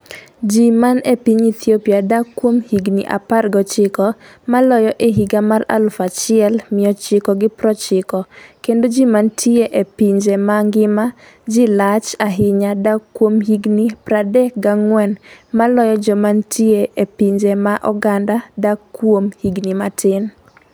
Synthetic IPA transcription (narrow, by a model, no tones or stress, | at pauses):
d͡ʒimanepiɲit̪ʰiopiadakːwomhiɡnḭʔa̰parɡɔt͡ʃɪkɔ | malɔjɔʔeɦiɡamara̰lfat͡ʃɪɛlmɪjɔt͡ʃɪkɔɡɪpɾɔt͡ʃɪkɔkendod͡ʒimantʰieʔepiɲd͡ʒemaŋɡɪma | d͡ʒilat͡ʃaɦɪɲadakːwomɦiɡnipɾadɛk̚ɡaŋwɛnmalɔjɔd͡ʒɔmantʰɪeʔepiɲd͡ʒemaʔɔɡandadakːwomhiɡnimatʰɪn